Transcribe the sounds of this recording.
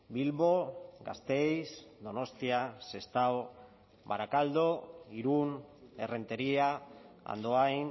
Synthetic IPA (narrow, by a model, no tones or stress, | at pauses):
bilβo̞ɡast̪e̞jsd̪o̞no̞st̪iase̞st̪awo | βaɾakald̪o̞iɾune̞re̞nt̪e̞ɾiaa̰nd̪oajn